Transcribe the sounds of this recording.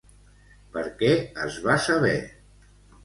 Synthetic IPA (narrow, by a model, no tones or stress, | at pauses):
pəɾkɛəzβasəβ̞ɛ